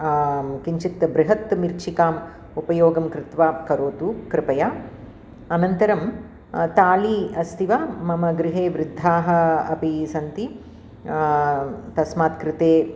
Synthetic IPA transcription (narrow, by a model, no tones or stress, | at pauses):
kiɲt͡ʃikt̪ɐbɾɪɦɐt̪miɾt͡ʃʰikaːm | upɐjoːɡɐmkɾɪt̪ʋaːkɐɾoːt̪ukɾɪpɐjaː | ɐnɐnt̪ɐɾɐm | t̪aːliɐst̪ʰiʋaːmɐmɐɡɾɪɦeːʋɾɪd̪ʱːaːɦɐ̆ɐpisɐnt̪i | t̪ɐsmaːt̪kɾɪt̪eː